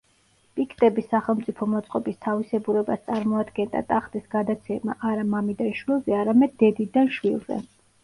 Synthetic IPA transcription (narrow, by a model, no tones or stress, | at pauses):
pʼikʰt̪ʼɛbisːaχɛlˠmt̪sʼipʰɔmɔt̪sʼqʼɔbist̪ʰavisɛbuɾɛbast̪sʼaɾmɔad̪ɡɛnd̪a̰t̪ʼaχd̪ʼisɡ̥ad̪at̪sʰɛma̰ʔaɾamamid̪anʃwilˠzɛaɾamɛd̪̚ːɛd̪id̪anʃwḭlˠzɛ̰